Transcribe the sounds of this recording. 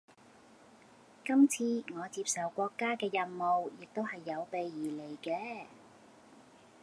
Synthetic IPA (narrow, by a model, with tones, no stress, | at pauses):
kɐ˥mt͡sʰiː˧ŋɔː˨˧t͡siː˧p̚sɐ˨wkʷɔː˧kːaː˥kɛː˧jɐ˨˧nmo˨wjɪ˨k̚t̪o˥whɐ˨jːɐ˨˧wpe˨jːiː˨˩le˨˩jkɛː˧